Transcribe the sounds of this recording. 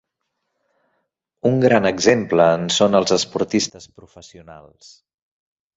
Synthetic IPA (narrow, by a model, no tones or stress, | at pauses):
uŋɡɾanəɡzempləːnsonəlˠzəspuɾt̪ist̪əspɾufəsiuna̰lˠs